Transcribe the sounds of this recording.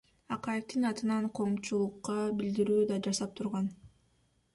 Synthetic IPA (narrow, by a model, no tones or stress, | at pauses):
ɑqɑjeft̪ɯnɑt̪ɯnɑɴqʰo̞ːmt͡ʃulˠuqːɑbild̪iɾyːd̪ɑd͡ʒɑsɑp̚t̪ʰuɾʁɑn